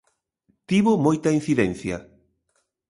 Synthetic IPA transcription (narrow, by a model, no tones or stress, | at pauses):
t̪iβʊmojt̪ɐin̟θiðɛn̟θjɐ